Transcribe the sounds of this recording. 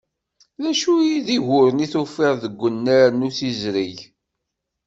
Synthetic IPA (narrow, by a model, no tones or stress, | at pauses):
læʃujiðiʝʊɾəniθufɪʁðəɡʷːənːaɾnuθizɾiʝ